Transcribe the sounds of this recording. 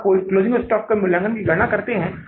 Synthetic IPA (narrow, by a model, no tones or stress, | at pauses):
koːɪkloːzɪ̃ŋkʊsʈɔːkːamʊlːə̃ŋɡənkiɡɐnakɐɾt̪eɦɛ̃ː